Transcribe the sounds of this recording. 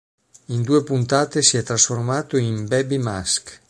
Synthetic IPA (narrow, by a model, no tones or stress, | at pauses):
ind̪uːepunt̪aːt̪esiɛt̪ɾasformaːt̪oimbɛbimask